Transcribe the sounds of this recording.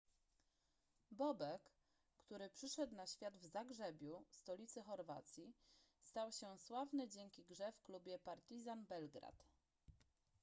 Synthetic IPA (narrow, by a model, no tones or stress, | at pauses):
bɔbɛkː | t̪uɾɘpʂɘʂɛt̪naɕfʲjad̪vzaɡʐɛbʲjust̪ɔlʲit̪sɘxɔɾva̰t̪sʲjist̪awɕɛswavnɘd͡ʑɛŋkʲiɡʐɛfklubʲjɛpaɾt̪izanbɛlɡɾa̰t̪